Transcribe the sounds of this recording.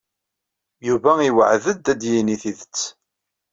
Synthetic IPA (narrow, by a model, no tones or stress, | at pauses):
juvæiwə̰ʕðəd̪æd̪jiniθiðət͡sː